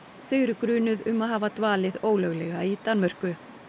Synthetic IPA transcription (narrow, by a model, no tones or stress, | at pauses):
θœːɥɾʏkɾʏːnʏðʏmaðɦaːvat̪vaːlɪðoːwlœɣlɛɣait̪anmœr̥kʏ